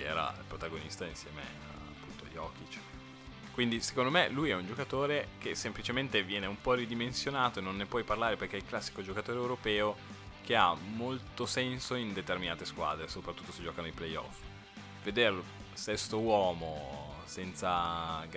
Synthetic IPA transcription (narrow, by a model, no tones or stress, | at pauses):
ɛ̰ːɾa̰ḭlpɾot̪aɡonist̪ainsjɛːmḛ | apːunt̪o̰ʎːɔ̰k̟it͡ʃ | kwind̪ise̥kond̪omelujɛund͡ʒokat̪oːɾek̟esːemplit͡ʃement̪evjɛːneumpɔrid̪imensjonaːt̪oenːonːepwɔjparlaːɾeperk̟eɛilklasːi̥kod͡ʒokat̪oːɾeːwɾopɛːo | kea̰mːolt̪osɛnsoind̪et̪erminaːt̪eskwa̰ːd̪ɾesopɾat̪ːut̪ːosed͡ʒɔːkanoiplejɔ̰f | ved̪erlo | sɛst̪owɔːmo | sɛnt̪saɡ